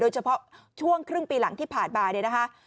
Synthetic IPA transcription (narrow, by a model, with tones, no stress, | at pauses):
oː˧jt͡ɕʰa˧pʰɔ˦˥ | t͡ɕʰu˥˩əŋkʰɾɯ˥˩ŋpiː˧la˩˦ŋt̪ʰiː˥˩pʰaː˨˩t̚baː˧ɾi˧˩na˦˥kʰa˦˥ʔ